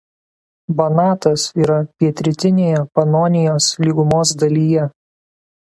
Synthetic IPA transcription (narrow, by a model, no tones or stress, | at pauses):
bɐnɑːt̪ɐsiːɾɐpʲiɛt̪ʲɾʲɪt̪ʲɪnʲeːjɛpɐnoːnʲɪjoːslʲiːɡʊmoːs̬d̪ɐlʲiːjɛ